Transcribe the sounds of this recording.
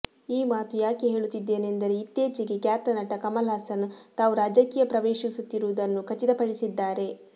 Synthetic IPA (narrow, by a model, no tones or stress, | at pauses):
iːmaːt̪ujaːkeɦe̞ːɭut̪ːid̪ːe̞ːnend̪ɐɾeit̪ːjeːt͡ʃiɡe̞kjaːt̪ɐnɐʈːɐkɐmɐlaːsɐnt̪aːʋuɾaːd͡ʒɐkiːjɐpɾɐʋeːʃisut̪ːiɾuʋud̪ɐnːukʰɐt͡ʃid̪ɐpɐɽisid̪ːaːɾe̞